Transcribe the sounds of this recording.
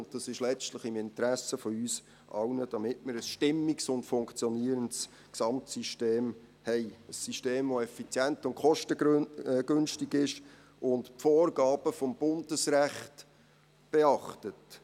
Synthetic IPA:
ʊndɑsɪʃlɛt͡stləχɪmɪntɾæsəfɔyːs | ʔɑ̰wnəd̥ɑmɪtməɾəsʃtɪmːiksʊntfʊŋkt͡sjɔniəɾənts | ksɑmtsiʃteːm | hɛɪəsːiʃteːmvoɛfit͡sjæntʊntkχɔʃtəɡ̥ʏnʃtiɡɪʃ | ʊntpfoːrɡɑːb̥əfɔmb̥ʊndəsɾæχt | b̥eɑχtət

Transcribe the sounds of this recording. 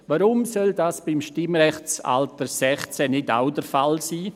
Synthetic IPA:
ʋaɾʊmsœldaːsb̥ɪmʃtɪmɾɛχt͡sa̰ltəɾsɛχt͡sɛnɪda̰ʊdəɾfalsiː

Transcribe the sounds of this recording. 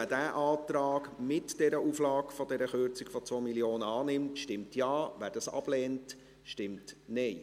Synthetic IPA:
ədæːʔɑːtɾɑːkmɪtd̥ɛɾəʔuːflɑːkfɔdɛɾəχøɾt͡sikfɔt͡sʋomiljoːnəɑːnɪmtʃtɪmtjɑːʋæːɾdɑsɑ̰b̥lɛːnt | ʃtɪmtnɛɪ

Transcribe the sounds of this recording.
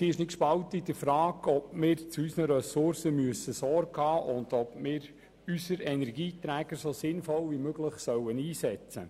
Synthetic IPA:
siːɪʃnɪt̚kʃpɑwtid̪əfɾɑːɡɔp̚mɪːɾt͡suysnəɾɛsʊɾsəmyəsəsɔɾɡhɑːʔʊnd̥ɔpmɪːɾ | ysəɾɛnɛɾɡiːt̪ɾæːɡəɾsosɪnfɔlʋimøɡləχsœwəniːsɛt͡sə

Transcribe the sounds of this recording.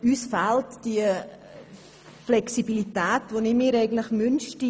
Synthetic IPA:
yːsfaltd̥iə | flɛksibilitɛːtvonɪmiːɾɛɪɡən̩tlɪxmʏnʃti

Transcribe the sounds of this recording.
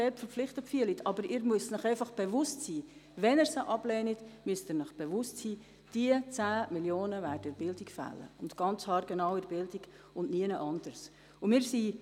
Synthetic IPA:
ɛːtfəɾp͡flɪχtəpfyəlitʰɑbəɾɪːɾmyəstnəχɛɪfɑχb̥ɛvʊstsiːʋɛnɛɾsəʔɑb̥lɛːnitmyəstɪːɾnəχb̥ɛʋʊstsiː | d̥iət͡sæːmiljoːnəvæːrdəɪbɪldikfæ̰lːə̰ʊntɡ̥ɑnt͡shɑːɾɡ̥ɛnɑwɪɾəbɪldiɡ | ʊnniənəʔɑnd̥ərs | ʊmɪːɾsi

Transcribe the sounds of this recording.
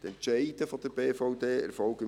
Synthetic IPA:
t̪ɛntt͡ʃɛɪdəfɔd̥əɾbeːfɔʊdeːɛ̰ɾfɔlɡə

